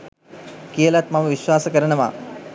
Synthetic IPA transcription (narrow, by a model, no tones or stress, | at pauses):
kijəlat̪maməʋiʃʋaːsəkəɾənəʋa̰ː